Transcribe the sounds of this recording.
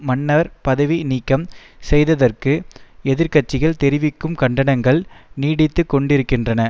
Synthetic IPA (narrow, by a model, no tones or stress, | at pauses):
mɐnːɐɾpɐðɐʋiniːkːɐm | sɛjðɐðɐrkɯɛðɪɾkɐʈ̚t͡ʃːɪɣɐɭt̪ɛɾɪʋɪkːɯmkɐɳɖɐnɐŋɡɐɭniːɽɪt̪ːɯkːɔɳɖɪɾɯkːɪndrɐnɐ